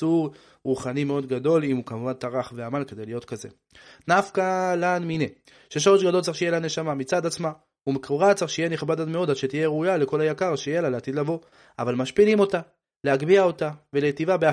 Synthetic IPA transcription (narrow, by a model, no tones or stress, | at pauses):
uʁ | ʁuχanimeo̞d̪ɡado̞limukamuvantaʁaχveamalke̞d̪e̞jlijo̞tkaze̞̰ | nafkalanmine | ʃeʃo̞ʁeʃɡado̞lt͡saeʃejelane̞ʃamamit͡sad̪at͡sma | umekoʁat͡saaχʃejeniχbadatme̞o̞dadʃet̪ijeʁujale̞ko̞lajakaʁʃejelaleat̪id̪lavo̞ | avalmaʃpilimo̞ta | le̞aɡbiao̞tave̞letivabea